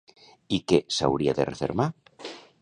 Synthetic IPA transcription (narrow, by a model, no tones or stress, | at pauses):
ikesa̰wɾiaðḛrefeɾma